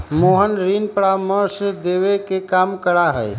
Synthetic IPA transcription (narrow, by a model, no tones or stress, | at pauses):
moːɦənɾiːnpəɽaməɾsed̪eːʋekekaːmkəɽaɦɛː